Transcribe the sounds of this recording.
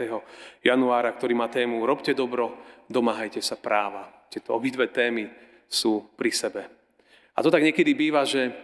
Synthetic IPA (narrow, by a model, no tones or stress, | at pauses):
ɛɦɔjanuaːɾakt̪ɔɾiːmaːt̪ɛːmuɾɔpcɛd̪ɔbɾɔd̪ɔmaːɦajcɛsapɾaːʋat̪ɛt̪ɔɔbid̪ʋɛːt̪ɛːmi | suːpɾisɛbɛ | at̪ɔt̪aɡɲɪɛkɛd̪ibiːʋaʒɛ